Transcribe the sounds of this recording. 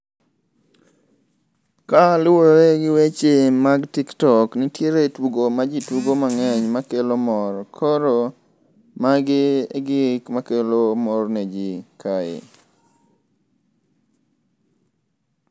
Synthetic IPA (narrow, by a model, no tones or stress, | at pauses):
kalʊwoɾeɡɪwet͡ʃemaɡtiktɔknɪtjeɾetwuɡomad͡ʒituɡomaŋɛɲmakelomɔɾkʰɔɾo | maɡɪɡɪkmakelomɔrned͡ʒikʰaḛ